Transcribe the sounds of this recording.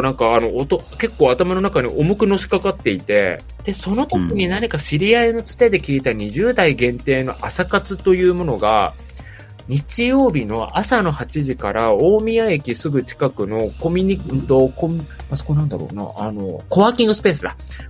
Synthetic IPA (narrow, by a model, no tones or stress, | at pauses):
nãŋkaːno̞t̪oke̞kːo̞ːat̪amano̞nakaɲ̟iʔo̞mokɯ̟no̞ɕi̥kakat̪ːe̞it̪e̞ | d̪̥e̞so̞no̞t̪o̞kʲiɲ̟inaɲ̟ikaɕiɾʲiaino̞t͡sɨ̥t̪e̞d̪e̞kʲiːt̪aɲ̟iʑɨːd̪aiɡẽ̞nt̪e̞ːno̞ʔasakat͡sɨt̪o̞jɯ̟ːmo̞no̞ɡa̰ | ɲ̟it͡ɕijo̞ːbʲino̞ʔasano̞hat͡ɕiʑikaɾao̞ːmʲiaekʲisɨɡɯ̟t͡ɕi̥kakɯ̟no̞ko̞mʲiɲ̟int̪okomʲmaso̥konãnd̪a̰ɾo̞̰ːna̰ːno̞̰ko̞βaːkʲĩŋɡɯ̟sɨ̥pe̞ːsɨd̪a̰